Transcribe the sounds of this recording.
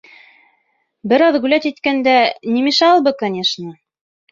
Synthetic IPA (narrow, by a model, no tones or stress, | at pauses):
bɘ̆ɾɑðʁʉlæt̪it̪kænd̪ænʲimiʃɑlˠbɤkɐnʲeʃnə